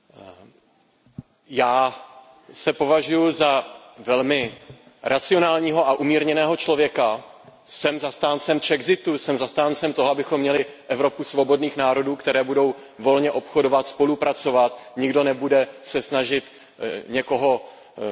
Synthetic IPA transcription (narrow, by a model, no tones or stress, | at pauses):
jaː | sɛpo̞vaʒujuzavɛlmɪ | ɾʔat͡sɪo̞naːlɲiːɦo̞ʔaʔumiːɾɲɛnɛːɦo̞t͡ʃlo̞vjɛkasɛmzast̪aːnt͡sɛmt͡ʃɛɡzɪt̪usɛmzast̪aːnt͡sɛmt̪oɦoabɪxomːɲɛlɪʔɛvɾo̞pusvo̞bo̞dniːxnaːɾo̞duːkt̪ɛɾɛːbudo̞w | vo̞lɲɛʔo̞pxo̞do̞vat̪spo̞lupɾat͡so̞vat̪ɲɪɡdo̞nɛbudɛsɛsnaʒɪt̪ | ɲɛko̞ɦo̞